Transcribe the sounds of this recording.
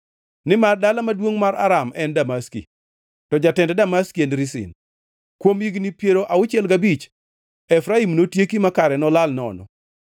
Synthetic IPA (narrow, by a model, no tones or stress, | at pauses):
nɪmardalamadwoŋmaɾa̰ɾamɛndamaskḭ | tɔd͡ʒatɛndɛdamaskiendɾisɪ̰n | kwomiɡnipjeɾoʔaʊt͡ʃɪɛlɡabit͡ʃ | ɛfɾaimnotjekimakaɾɛnɔlalnɔ̰nɔ̰